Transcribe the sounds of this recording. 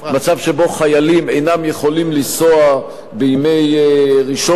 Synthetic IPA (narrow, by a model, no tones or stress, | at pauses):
mat͡savʃebo̞χajalime̞jnamjeχo̞limlisoa | beimejʁiʃo